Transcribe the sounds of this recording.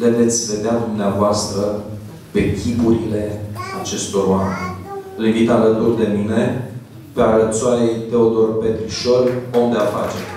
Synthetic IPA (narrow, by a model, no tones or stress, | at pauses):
d̪e̞vet̪sʲve̞d̪ead̪umneavoast̪ɾə | pe̞kʲʰibuɾile̞at͡ʃe̞st̪o̞roamenʲɨlivit̪alət̪urd̪e̞mine̞ | peaɾət̪soajejt̪e̞od̪o̞rpe̞t̪ɾiʃo̞lond̪eafa̰t͡ʃe